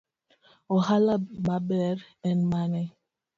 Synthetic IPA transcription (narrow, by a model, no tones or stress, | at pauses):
oɦalamabɛɾ | ɛn̩manɛ